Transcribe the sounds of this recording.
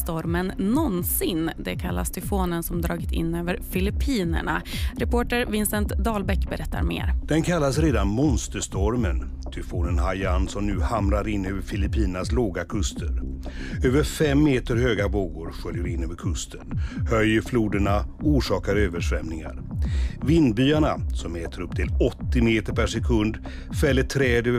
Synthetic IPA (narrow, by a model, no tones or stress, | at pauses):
st̪ɔɾmənːɔnsɪnd̪ɛkʰalːa̰st̪ʰʏfoːnənsɔmd̪ɾɑːɡɪt̪ʰɪ̰nːøːvəɾfɪlɪpʰiːnə̰ɳa̰ɾɛpoːʈəɾvɪnsənt̪d̪ɑːlbɛkbɛɾʔɛt̪ːa̰ɾmḛːɾd̪̥ɛnkʰalːasɾeːd̪anmɔnst̪əʂt̪ɔɾmən | t̪ʰʏfoːnənhajansɔmnʉ̟ːhamɾaɾɪnːøːvəɾfɪlɪpʰiːnənasloːɡakʰɵst̪ʰəɾøːvəɾfɛmːeːt̪əɾhøːɡaboːɡʊːɾɧœljəɾɪnːøːvəɾkʰɵst̪ʰənhœjːfluːd̪əɳauːʂɑːkaɾøːvəʂvɛmnɪŋa̰ɾvɪnd̪byːaɳasɔmɛːt̪ʰəɾɵp̚t̪ʰɪlɔt̪ːɪmeːt̪əɾpʰæʂɛkʰɵnd̪ | fɛlːəʈʰɾɛːd̪øːə